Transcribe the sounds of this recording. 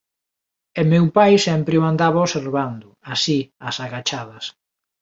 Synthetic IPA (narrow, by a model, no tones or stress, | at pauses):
emewpajsɛmpɾeuand̪aβaoseɾβand̪ʊasiasaɣat͡ʃaðɐs